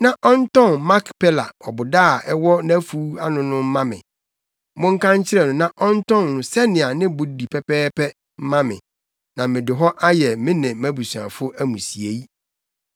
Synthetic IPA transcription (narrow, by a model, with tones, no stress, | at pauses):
nã˦ʔɔ˦n˦tɔ̃˦˨nma˦kpʰɛ˦la˨ɔ˨bʊ˨daː˦˨ɛ˦wɔ˦næ˦fu˦a˦nʊ̃˨nʊ̃˦m̩˦mã˦mɪ̰̃˨ | mʊ̃˦ŋ̩˦kʰã˦ɲ˦t͡ɕʰɪ˦ɾɛ˨nʊ̃˨nã˦ʔɔ̃˦n˦tɔ̃˦nːʊ̃˨sɛ˦nɪ̃˨a˨nɪ̃˦bʊ˨di˨pʰɛ˦pɛː˦pɛ˦ | m̩˦mã˦mɪ̰̃˨ | nã˨mɪ̃˨dɪ˨ɦɔ˦ʔa˦jɛ˨mɪ̃˦nɪ̃˨mæ̃˦bu˨su˨ã̰˨fʊ˦ʔæ˦mũ˨si˨e˨i˦